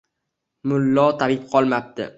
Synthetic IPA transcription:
mʊlːɒt̪ʰabɪp̚qʰɒlˠmap̚t̪ɪ̰

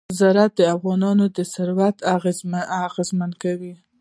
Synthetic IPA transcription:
zɑɾat̪̚d̪əafɣɑnɑnod̪əsaɾwat̪aaɣezmankawi

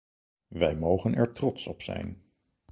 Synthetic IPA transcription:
ʋɛjmowχənʔɛɹtrɔtsɔpsɛ̰jn

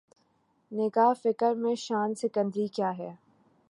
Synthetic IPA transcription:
nɪɡaːɦfɪkəɾmẽʃaːnsɪkə̃nd̪ɾikjaːɦɛː

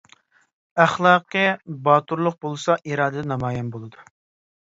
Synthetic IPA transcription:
æχlˠɑːqʰɨbɑːt̪uɾlˠʊq̚bolˠɨsɑʔiɾɑːd̪ɨd̪ɛnɑmɑːjɛnbolˠɨd̪u

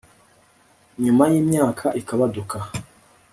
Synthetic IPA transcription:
ɲumajimjaːkʰaʔikʰaβaduka

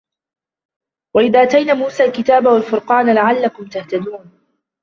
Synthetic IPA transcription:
waʔɪðaːʔat̪ajnaːmuːsaːlkɪt̪aːbawalfʊɾqɑːnlaʕalːakʊmt̪aht̪ad̪uːn

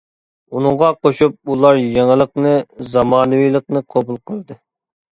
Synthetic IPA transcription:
unɨŋʁɑqoʃup̚ulˠɑɾjeŋəlˠəqnɨzɑmɑːnɨwijlˠəqnɨqʰobulˠqʰəɾɨd̪ɨ

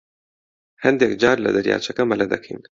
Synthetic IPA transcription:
hɐnd̪eːk̚d͡ʒaːɾlɐ̰d̪ɐɾja̰ːt͡ʃʰɐkɐmɐlɐd̪ɐ̰kʰḭn

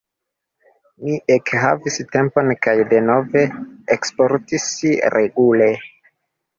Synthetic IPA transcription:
miʔekha̰viste̞mpo̞nkajde̞no̞ve̞ekspo̞ɾtisiɾʔeɡule

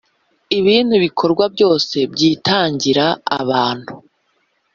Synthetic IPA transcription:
iβiːnhuβikʰo̞ɾɡwabɟo̞ːse̞bɟiːtaːɲɟiɾaa̰βaːn̥hu̥

